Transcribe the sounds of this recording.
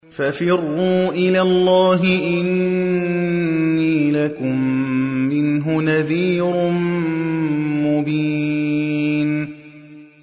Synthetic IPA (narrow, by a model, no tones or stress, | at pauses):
fafɪrːuːʔɪlaːlːɑːɦɪʔɪn | iːlakʊmː | ɪnɦʊnaðiːɾʊn | mʊbiː | n